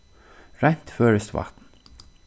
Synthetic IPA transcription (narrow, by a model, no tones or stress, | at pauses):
ɹɛn̥t̪føːɹəst̪ʋa̰t̪n